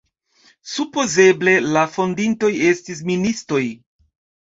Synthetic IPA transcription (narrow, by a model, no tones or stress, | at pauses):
supo̞ze̞ble̞lafo̞ndinto̞je̞stis̬ministo̞j